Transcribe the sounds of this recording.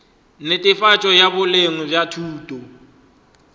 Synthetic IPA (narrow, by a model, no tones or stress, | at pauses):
nɪtʼɪfat͡ʃʼɔjaβʊleŋʊbjatʰuːtʼɔ